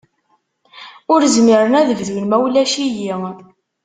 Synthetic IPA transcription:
ʊɾzmiɾənæðəvðunmæwlæʃiji

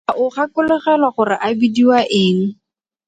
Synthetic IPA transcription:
ʔʊχakʊlɪχɛlwaχʊrɪʔabidiwaʔɪːŋ̩

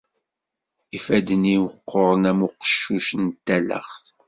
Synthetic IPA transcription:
ifæd̪əniwəqːoɾˤənæmʊqə̥ʃːuʃənt̪ːælə̰χθ

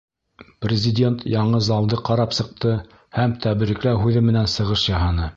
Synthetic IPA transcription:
prʲɪzʲɪdʲe̞nt̪jɑɴɤzɑlˠd̪ɤqɑɾɑpsɤ̆q̚t̪ɤ | hæmt̪ʰæβɘ̆ɾɘ̆klæɦʉðɘmɘ̆nænsɤ̆ʁɤʃjɑɦɑnɤ

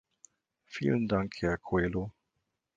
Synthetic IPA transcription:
fḭːlən̩daŋkhɛɐkʰoeːlo

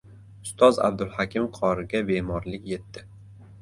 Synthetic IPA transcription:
ʊst̪ʰɒza̰bd̪ʊlˠhakʲɪmqʰɒɾɪɡʲabe̞mɒɾlɪkʲje̞t̪ːɪ

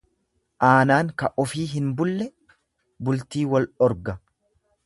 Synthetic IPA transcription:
ʔaːnaːŋkɐʔɔfiːɦɪnbʊlːɛ | bʊlt̪iːwɐlɔɾɡɐ

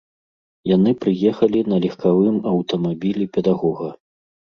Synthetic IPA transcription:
janɨpɾɨjɛxɐlʲinɐlʲɛxkavɨmɐwt̪ɐmabʲilʲipʲɛd̪aɣɔɣɐ

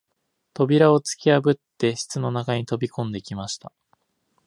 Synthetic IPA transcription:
t̪o̞bʲiɾao̞t͡sɨ̥kʲiabɯ̟t̪ːe̞ɕi̥t͡sɨno̞nakaɲ̟it̪o̞bʲikõ̞nd̪e̞kʲimaɕi̥t̪a

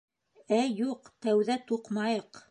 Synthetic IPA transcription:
æjuqt̪æwðæt̪uqmɑjɤq

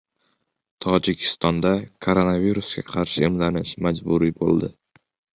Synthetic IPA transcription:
t̪ʰɒd͡ʒɪkʲʰɪ̥st̪ɒnd̪akʰoɾonaviɾusɡʲa̰qʰɑɾʃɪːmlanɪʃmad͡ʒbʊɾibo̰lˠd̪ɪ

